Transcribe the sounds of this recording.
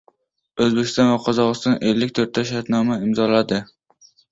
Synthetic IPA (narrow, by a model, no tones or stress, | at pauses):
ɵzbekʲɪ̥st̪ɒnvaqʰɒzɒʁɨst̪ʰɒnʔelːɪk̚ʲt̪ʰɵɾt̪ʰaʃaɾt̪nɒmaɪmzɒlad̪ɪ